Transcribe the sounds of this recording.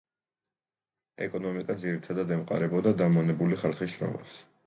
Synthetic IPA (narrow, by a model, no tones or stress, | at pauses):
ɛkʼɔnɔmikʼad̪ziɾit̪ʰad̪ad̪ɛmqʼa̰ɾɛbɔd̪ad̪amɔnɛbuliχalˠχisʃɾɔ̰ma̰s